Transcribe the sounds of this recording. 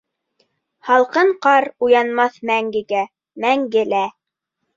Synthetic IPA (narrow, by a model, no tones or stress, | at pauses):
hɑlˠqɤɴqɑɾujɑnmɑθmæŋɡɘ̆ɡæ | mæŋɡɘlæ